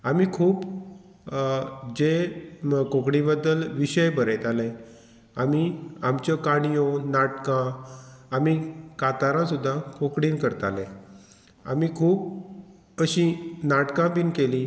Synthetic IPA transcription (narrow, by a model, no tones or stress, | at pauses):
amikʰuːp | d͡ʑe | kokɽĩbəd̪ːəlʋiɕəjbəɾet̪ale | amiamt͡ɕjɔkaɽ̃ijonaʈkãː | mikat̪aɾãsud̪ʱːãkokɽiːnkəɾt̪alḛ̃ | a̰mikʰuːp̚ | əɕinaʈkãpinkeli